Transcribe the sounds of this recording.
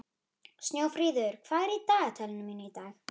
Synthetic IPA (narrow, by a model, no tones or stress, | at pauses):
st̪njoːwfɾiːðʏɾ̥kʰv̥aːðɛɾit̪aːɣt̪ʰɛlɪnʏmiːnʏit̪aːx